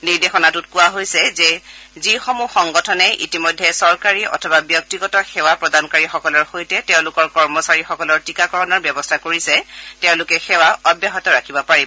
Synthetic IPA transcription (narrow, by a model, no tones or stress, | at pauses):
niɹdexɔnatut̚kʊwaɦojsɛzɛzixɔmuxɔŋɡɔtʰɔnɛʔḭtimojdʱːɛsɔɹkaɹiɔ̰tʰɔbabjɔk̚tiɡɔtɔxɛwapɹɔdankaɹixɔkɔlɔɹxojtɛtɛʊ̃lʊkɔɹkɔɹmɔsaɹixɔkɔlɔɹtikakɔɹɔnɔɹbjɔbɔstʰakoɹisɛtɛʊ̃lʊkɛxɛwaɔbjaɦɔtɔɹakʰibɔpaɹibɔ